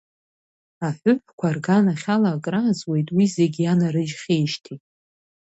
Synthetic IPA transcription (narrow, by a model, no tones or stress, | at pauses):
aħʷʊħʷkʷʰarɡanaχʲalaːkʼrazwe̞jtʼwize̞ɡʲanaɾɨʒχʲejʃtʰitʼ